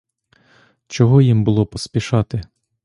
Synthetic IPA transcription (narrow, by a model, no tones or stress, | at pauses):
t͡ʃɔɦɔjimbʊlˠɔpɔspʲiʃɑt̪ɪ